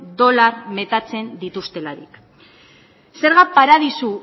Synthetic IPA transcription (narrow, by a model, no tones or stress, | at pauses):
d̪o̞larme̞t̪at͡se̞nd̪it̪ust̪e̞laɾik | se̞ɾɣapaɾað̞isu